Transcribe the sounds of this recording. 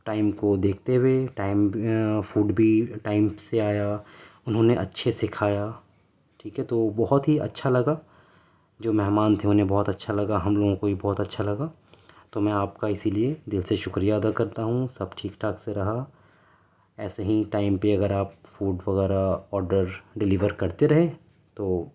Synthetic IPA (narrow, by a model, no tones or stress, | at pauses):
ʈaːɪmkod̪eːk̚ʰt̪eɦweʈaːɪmfuːɖbʱiʈaːɪmseaːjaʊnɦõneʔɐ̰tːʃʰesɪkʰaːjaː | ʈʰiːkɦɛt̪oːbɔɦɔt̪ɦiɐ̰tːʃʰalɐɡa | d͡ʒoːmɛɦmaːnt̪ʰeʊnẽbɔːt̪ɐtːʃʰalɐɡaɦɐmloːɡõkoɦibɔːt̪ɐtːʃʰalɐɡa | t̪omɛ̃aːpkaɪsilied̪ɪlseʃʊkɾijaɐd̪akɐɾt̪aɦũsɐb̚ʈʰiːkʈʰaːkseɾɐɦa | ɛːseɦiʈaːɪmpeɐɡəɾaːp̚fuːɖʋɐɣɛːɾaɔːɾɖəɾɖɪliʋəɾkɐɾt̪eɾɐɦẽː | t̪oː